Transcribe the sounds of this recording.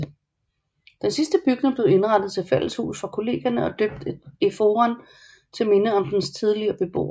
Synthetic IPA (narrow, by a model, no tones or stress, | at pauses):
d̥ensisd̥əb̥yɡ̥ne̝ŋb̥le̝ʊe̝nʁɑ̈d̥ð̩ˠt͡sʰe̝lfel̰lshṵːsfʁɑ̈kʰo̝le̝̰ːɡ̥ɐnəɒ̽d̥øb̥̚d̥ifo̝ːʁɐn | t͡sʰe̝me̝nəɒ̽md̥enst͡sʰiðˠliɐb̥e̝b̥o̝̰ː